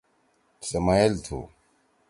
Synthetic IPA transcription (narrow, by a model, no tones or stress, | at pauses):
sɐmalt̪ʰṵ